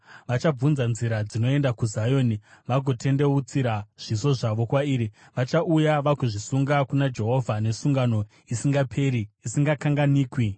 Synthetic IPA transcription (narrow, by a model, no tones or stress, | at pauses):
ʋat͡ʃab͡vunzanziɾad͡zino̞e̞ndakuzajo̞ːniʋaɡʱo̞tʰe̞nde̞ut͡siɾaʐ̥iso̞ʐaʋo̞kwaiːɾi | ʋat͡ʃaʔujaʋakuʐisuŋɡakunad͡ʒe̞ɦo̞vʱane̞suŋɡano̞ | isiŋɡapʰe̞ɾiisiŋɡakaŋɡaniːkwi